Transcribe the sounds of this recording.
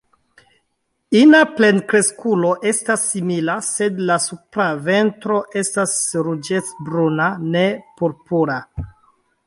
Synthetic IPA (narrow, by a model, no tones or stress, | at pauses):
inaple̞nkɾe̞skulo̞ʔe̞stasːimilase̞dlasupɾave̞ntɾo̞ʔe̞stasɾud͡ʒet͡sbɾunane̞puɾpuɾa